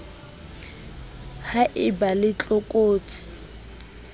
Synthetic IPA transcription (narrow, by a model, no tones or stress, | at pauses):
haʔɪbalɪt͡ɬʼɔkʼoːt͡sʼi̥